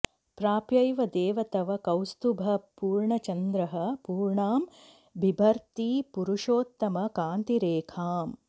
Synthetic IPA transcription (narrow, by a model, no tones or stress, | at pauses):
pɾaːpjɐjʋɐd̪eːʋɐt̪ɐʋɐkɐwst̪ubʱɐpuːɾɳɐt͡ʃɐnd̪ɾɐɦɐ̆puːɾɳaːm | bʱibʱɐɾt̪iːpuɾuʂoːt̪ːɐmɐkaːnt̪iɾeːkʰaːm